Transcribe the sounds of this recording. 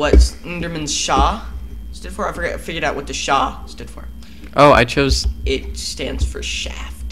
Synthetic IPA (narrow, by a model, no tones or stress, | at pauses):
wʌtsɪ̃ndə˞mɨ̃nz̥ʃɑ | stʊd̥fə˞aɪfə˞ɡfɪɡjə˞ɾaʊʔ̚wʌt̪̚ðɨʃɑstʊd̥fə̰˞ | ʔoʊa̰ɪt͡ʃʰoʊzɪt̚stæ̃ndz̥fə̰˞ʃæ̰ft